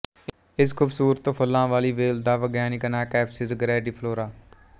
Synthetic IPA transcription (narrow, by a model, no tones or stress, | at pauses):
ɪskʰʊːbsuːɾət̪ofʰəlːãːʋaːliːʋeːld̪aːʋəɡjaːnikənaːkɛːpsɪzɡəɾɛːɖiːpʰloːɾaː